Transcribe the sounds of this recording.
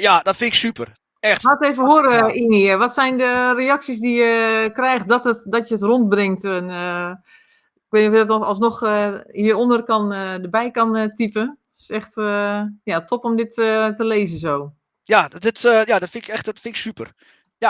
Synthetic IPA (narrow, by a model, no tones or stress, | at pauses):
jadɔtfɪnɪksypər | ɛxateːvəhoəɾiniʋɔtsɛjndərejɑksis̬dijəkrɛjx̚dɔtətdɔtjəətront̚brɪŋtən | ɪk̚ʋeːtniɔfjədɔtɔɔlˠsnɔxəhiəɾondərkɔnədəbɛjkɔntipən | ɪsɛxtəjatʰopomdɪtətəleːzəsoː | jadɪtːjadɔtfɪnɪkɛxtdɔtfɪnɪksypər | ja